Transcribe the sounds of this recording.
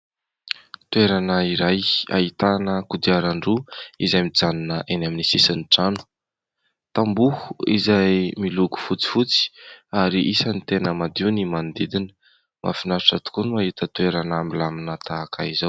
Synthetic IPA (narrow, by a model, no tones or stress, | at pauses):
t̪ueɾanəiɾaja̰ɦit̪anəkud̪iaɾaɳɖ͡ʐuizajmid͡zaninəʔenaminisisəniʈ͡ʂanu̥ | t̪ambuhuizajmiluɡu̥fut͡si̥fut͡si̥aɾiʔisənit̪enəmad̪iunimand̪id̪inə̥ | mʔa̰finaʈ͡ʂat̪u̥kunuaɦit̪ət̪ueɾanambilaminət̪aːkʰa̰izaw